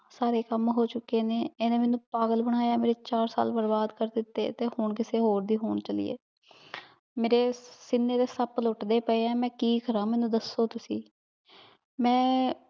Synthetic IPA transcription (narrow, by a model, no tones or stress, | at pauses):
saːɾeːkəmɦoːt͡ʃʊkːeːneːeːnẽːmɛːnũːpaːɡəlbəɽ̃aːjaːmeːɾeːt͡ʃaːɾsa̰ːlbəɾbaːd̪kəɾd̪ɪt̪ːḛːt̪eːhʊɳkɪseːɦoːɾd̪iːɦoːɳt͡ʃəlḭːḛː | meːɾeːsɪnːeːd̪eːsəpəlʊʈd̪eːpəeːɛːmɛ̃ːkiːkəɾãːmɛ̃ːnũːd̪əsːoːt̪ʊsiː | mɛ̃ː